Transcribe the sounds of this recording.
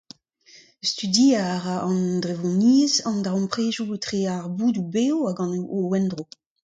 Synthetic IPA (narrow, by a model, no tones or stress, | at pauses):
st̪ydiaʁaʔɑ̃ndʁevɔ̃niːzɑ̃ndaɔ̃mpχeːʒuetχeːaʁbuːdubeːoaɡɑ̃nowɛndʁo